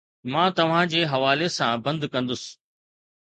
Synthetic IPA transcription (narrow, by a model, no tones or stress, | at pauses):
mãːt̪ɐʋ̤ãd͡ʑeːɦɐʋaːlesãbɐ̃nd̪kɐ̃nd̪ʊsɪ̥